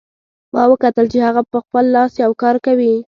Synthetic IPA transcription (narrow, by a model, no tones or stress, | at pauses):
mɑwəkat̪əlt͡ʃehaɣapəxpəlːɑsjawkɑɾkawi